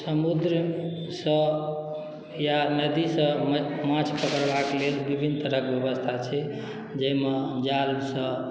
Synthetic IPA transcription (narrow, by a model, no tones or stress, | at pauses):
səmud̪ɾə | sə̃ | janəd̪isə̃mãt͡ʃʰpəkəɾbʱaklelbibʱint̪əɾəkbjəbəst̪ʰat͡ʃʰɛ | d͡ʒəimed͡ʒaɾbsə̃